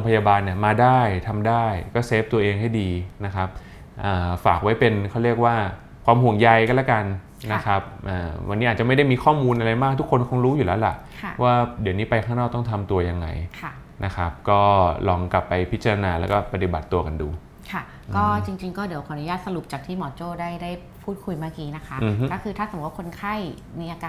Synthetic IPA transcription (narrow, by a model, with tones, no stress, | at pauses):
o˧ŋpʰa˧jaː˧baː˧nːi˨˩əmaː˧daː˥˩jt̪ʰa˧mdaː˥˩jkɔː˥˩seː˦˥p̚t̪u˧ɐʔeː˧ŋha˥˩jdiː˧na˦˥kʰa˦˥p̚ | ʔəː˨˩faː˨˩k̚wa˦˥jpe˧nkʰa˥˩wɾi˥˩ək̚waː˥˩ | kʰwaː˧mɦu˨˩əŋja˧jkɔː˥˩lɛ˦˥ka˧n | na˦˥kʰa˦˥p̚ʔaː˨˩wa˧nːi˦˥ʔa˨˩t͡ɕa˨˩ma˥˩jda˥˩jmiː˧kʰɔː˥˩muː˧nʔa˧ɾa˧jmaː˥˩k̚t̪ʰu˦˥kʰːo˧nkʰɔ˧˥ŋɾuː˦˥juː˨˩lɛː˦˥wla˨˩ʔʰwaː˥˩di˨˩˦wniː˦˥pa˧jkʰaː˥˩ŋnɔː˥˩k̚t̪ɔ˥˩t̪ʰa˧mt̪u˧ɐja˧ŋːa̰˧jkʰa˥˩ | na˦˥kʰa˦˥p̚kɔː˥˩lɔː˧ŋkla˨˩pːa˧jpʰi˦˥t̪̚t͡ɕa˧ɾa˧naː˧lɛː˦˥wkɔː˥˩pa˧t̪i˨˩ba˨˩t̪ːu˧ɐka˧ndṵː˧˩ | kʰa˥˩ | kɔː˥˩t͡ɕi˧ŋt͡ɕi˧ŋkɔː˥˩di˨˦wka˨˩˨nu˦jaː˥˩t̪̚sa˧ɾu˨˩p̚t͡ɕaː˨˩k̚t̪ʰiː˥˩mɔː˨˩t͡ɕoː˥˩daː˥˩jdaː˥˩j | pʰuː˥˩t̪̚kʰu˧jmaː˥˩kiː˧˥na˦˥kʰa˦˥ʔkɔ˥˩kʰɯː˧a˥˩swa˥kʰo˧nkʰa˥˩j | miː˧ʔaː˧kaː˧